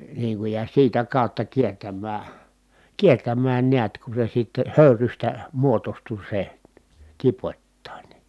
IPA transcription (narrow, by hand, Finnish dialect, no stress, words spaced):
niːŋ kuj jɑ siːtæ kɑˑutːɑ kiertæmːæː kiertæmːæːn niæt ku se sitːe høˑyrystæ muotostu se tipotʲtɑˑin